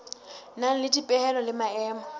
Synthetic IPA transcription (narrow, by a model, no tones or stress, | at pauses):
naŋ̩lɪdipʼɛhɛlɔlɪmaɛːmɔ